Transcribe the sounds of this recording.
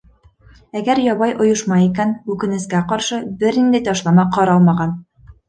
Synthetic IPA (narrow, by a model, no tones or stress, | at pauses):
æɡæɾjɒβɑjʔŏjŏʃmɑikænʉkɘ̆nɘ̆skæqɒɾʃɤbɘɾnind̪æjt̪ɒʃlˠɑmɑqɒɾɑlˠmɑʁɑn